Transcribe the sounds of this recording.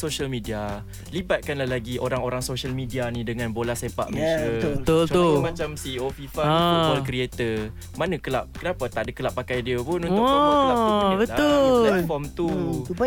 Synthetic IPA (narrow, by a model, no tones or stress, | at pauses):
soʃəlmidia | libat̪̚kanlahlaɡiʔoɾaŋoɾaŋsoʃalmidianĩdəŋãnbolahsepa̰ʔmesəət̪ʊt͡ʃt̪mat͡ʃamsiofifaɔlkɾiet̪ə | manakəlaʔ̚kənapat̪aʔdəkəlaʔpːakajdiəpʊnũnaabətaʊɛt̪̚fɔmt̪uupa